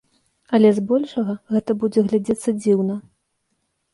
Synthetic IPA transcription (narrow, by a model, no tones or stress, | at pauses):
ɐlʲɛzbɔlʲʂɐɣɐɣɛt̪ɐbud͡zʲɛɣlʲad͡zʲɛt̪sːɐd͡zʲiwnɐ